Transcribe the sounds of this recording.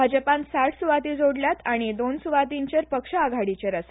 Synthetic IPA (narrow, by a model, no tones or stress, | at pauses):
ad͡ʑəpãnsaʈʰsuʋat̪id͡zʱoɽljat̪aɽ̃id̪onsuʋat̪̬iɲt͡ɕeɾpəkʂəːɡʱaɽit͡ɕeɾəse